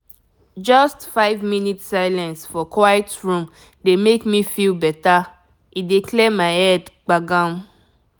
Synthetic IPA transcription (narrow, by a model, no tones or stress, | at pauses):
d͡ʒɔstfaɪvminitsaɪlɛ̃nsfɔkʰwajtɹũm | demekmifilbɛta | ʔidikʰlɛmaɪhɛdɡ͡baɡãm